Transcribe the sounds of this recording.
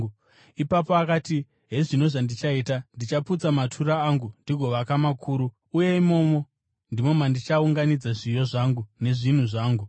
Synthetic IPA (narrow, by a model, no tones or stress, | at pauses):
ipapo̞akati | ɦe̞ʐino̞ʐandit͡ʃaitandit͡ʃaput͡samatʰuɾaːŋɡundiɡʱo̞ʋakamakʰuːɾuː | je̞imo̞ːmo̞ | ndimo̞mandit͡ʃauŋɡanid͡zaʐijo̞ʐaːŋɡune̞ʐin̤uʐaːŋɡu